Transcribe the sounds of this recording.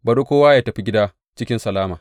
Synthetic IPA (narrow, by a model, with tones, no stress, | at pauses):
bɐ˨ɗo˦kʷoː˦waː˦jaː˦tɐ˨ɸi˦ɡʲɪ˦daː˦ | t͡ʃɪ˦kʲɪ˦nsɐ˨laː˦maː˨